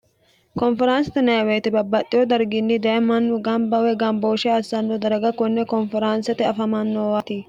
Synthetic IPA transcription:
kɔnfɛɾaːnsɐt̪ɪnɐjweːt̪ɪbɐbːɐt̪ʼːɪjɔd̪ɐɾɡɪnːɪd̪ɐʔɛmɐnːʊɡɐmbɐwɛɡɐmboːʃɛɐsːɐnːod̪ɐɾɐɡɐkɔnːɛkɔnfɛɾaːnsɐt̪ɪɐfɐmɐnːoːwat̪ɪ

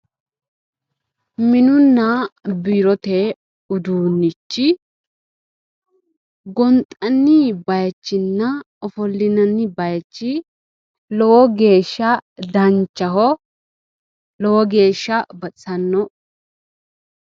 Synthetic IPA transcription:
mɪnʊnːɐbiɾɔt̪e | ʊd̪uːnːɪt͡ʃːɪ | ɡɔnt̪ʼɐnːɪbɐjɐt͡ʃːɪnːɐ | ɔfɔlːɪnɐnːɪbɐjɐt͡ʃːɪ | lɔwɔɡe̞ːʃːɐd̪ɐnt͡ʃːɐɦɔ | lɔwɔɡe̞ːʃːɐbɐt͡sːɐnːɔ

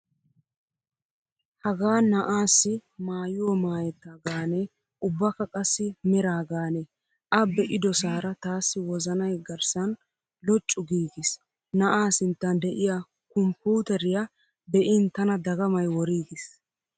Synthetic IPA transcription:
hɐɡaːnɐʔaːsːɪmaːjɪwɔmaːjɛt̪ːaːɡaːnɛ | ʊbːɐkɐkʼɐsːɪmɛɾaːɡaːnɛ | ʔɐbɛʔɪd̪ɔsaːɾɐt̪aːsːɪwɔzɐnɐjɡɐɾsɐn | lɔt͡ʃʼːʊɡiːɡɪs | nɐʔaːsɪnt̪ːɐnd̪ɛʔɪja | kɔmpuːt̪ɛɾɪjɐ | bɛʔɪnt̪ɐnɐd̪ɐɡɐmɐjwɔɾiːɡɪs

